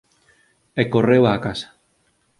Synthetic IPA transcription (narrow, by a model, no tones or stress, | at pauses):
ekorewaːkasḁ